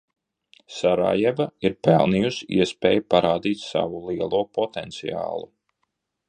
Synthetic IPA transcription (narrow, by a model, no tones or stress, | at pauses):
saɾa̰ːjɛvaiɾpɛlˠnijusḭɛspʲeːjpaɾaːd̪iːt̪ʲsa̰vulˠiɛlˠuɔːpɔt̪ɛnt̪sḭja̰ːlˠu